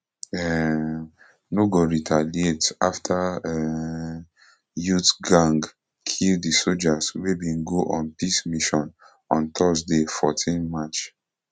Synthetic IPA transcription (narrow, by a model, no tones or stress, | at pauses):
ɛ | noɡoɹitʰalietaftʰaɛ | jutɡãŋɡ | kʰildisod͡ʒaswebĩnɡoʔɔ̃npismiʃɔ̃n | ɔ̃nt̪ʰɔzdefɔtʰĩnmat͡ʃ